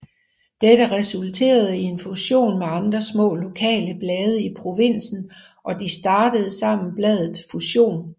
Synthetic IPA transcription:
d̥eɾəʁɛsult͡sʰe̝̰ːɐð̞ˠəie̝nfuɕo̝̰ːnmeɑ̈nd̥ʁɐsmɔ̰̽ːlo̝kʰɛ̰ːləb̥lɛːð̞ˠəipʰʁo̝ʋen̰sn̩ʔɒ̽d̥isd̥ɑ̈ːd̥əð̞̩ˠsɑ̈m̰n̩b̥lɛð̞ˠð̩ˠfuɕo̝̰ːn

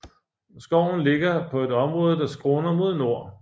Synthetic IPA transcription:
sɡ̥ɒʊ̰n̩le̝ɡ̥ɐpʰɒ̽e̝d̥ɒ̽mʁɔ̽ːð̞̩ˠəd̥ɑ̈sɡ̥ʁɔːnɐmo̝ð̞ˠno̝ɐ̰

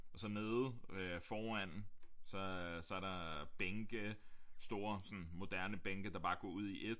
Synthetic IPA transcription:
ʔɒ̽sɒ̽ne̝ːð̩ˠøfɒːæn̰n̩sɒ̽sɒ̽æɐɾɑ̈b̥eŋɡ̥əsd̥o̝ːɐsɒ̽nmo̝d̥æɐnəb̥eŋɡ̥əd̥ɑ̈b̥ɑ̈ːɡ̥ɒ̰uð̞̰ˠiʔe̝d̥

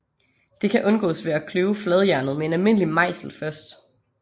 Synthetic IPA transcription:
d̥e̝kʰæʔɔ̽nɡ̥ɔ̰ːsʋe̝ækʰløːʊflɛð̞ˠjæɐnð̞̩ˠmee̝nælme̝n̰limɑ̈ɪ̰sl̩fɶɐsd̥

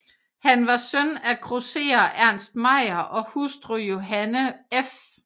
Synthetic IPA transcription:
hænʋɑ̈sœnækʰʁose̝̰ːɐʔæɐ̰nsd̥̚mɑ̈ɪ̰ɐʔɒ̽husd̥ʁojo̝ɦænəef

